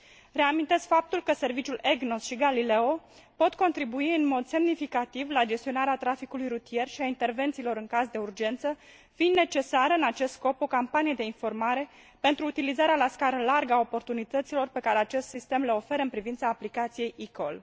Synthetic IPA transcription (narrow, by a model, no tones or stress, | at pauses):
re̞amint̪e̞skfap̚t̪ulkəse̞rvit͡ʃʲule̞ɡnosʃiɡalile̞o̞ | pot̪ko̞nt̪ɾibuiɨnmo̞d̪semnifikat̪ivlad͡ʒe̞st̪io̞naɾeat̪ɾafikulujɾut̪ije̞rʃiaint̪e̞rve̞nt̪siːlo̞ɾɨŋkazd̪e̞urd͡ʒe̞nt̪sə | finne̞t͡ʃe̞saɾəɨnat͡ʃe̞st̪sko̞po̞kampanijed̪e̞info̞rmaɾe̞ | pe̞nt̪ɾuːt̪ilizaɾealaskaɾəlarɡəaopo̞rt̪unit̪ət̪silo̞rpe̞kaɾeat͡ʃe̞st̪sist̪e̞mleo̞fe̞ɾəɨnpɾivint̪saːplikat̪sije̞jikol